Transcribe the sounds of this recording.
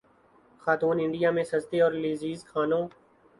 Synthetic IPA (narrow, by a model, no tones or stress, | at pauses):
xaːt̪uːnɪ̃ɳɖijamẽsɐzt̪eɔːɾleːziːzkʰaːnõː